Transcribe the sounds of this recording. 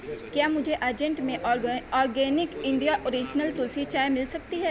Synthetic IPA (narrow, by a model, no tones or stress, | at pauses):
kjaːmʊd͡ʒʱeʔaːd͡ʒɛ̃ɳʈmẽɔːɾɡɛːnɪkɪ̃ɳɖijaʔoɾiːd͡ʒnəlt̪ʊlsit͡ʃaːjemɪlsɐk̚t̪iɦɛː